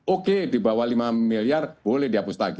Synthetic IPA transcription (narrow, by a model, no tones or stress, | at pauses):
oked̪̥ibawalimamilijarb̥olɛhd̪iapust̪aɡi